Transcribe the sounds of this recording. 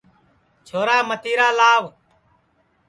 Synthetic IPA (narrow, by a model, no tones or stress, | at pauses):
t͡ʃʰoːɾaːmət̪iːɾaːlaːʋ